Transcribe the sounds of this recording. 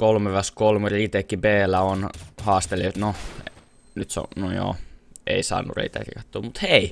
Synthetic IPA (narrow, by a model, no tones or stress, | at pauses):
kolmeʋɑskolmerit̪ekːibeːlːæonhɑːst̪elːeot̪no | nyt̪snojo̰ːʔḛisɑ̰ːnːṵrrḛit̪æ̰kḭkɑt̪ːo̰ːmut̪hei